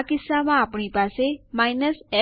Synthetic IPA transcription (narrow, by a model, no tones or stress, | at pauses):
kɪsːamãːpɳ̃ipasemajnəsɛ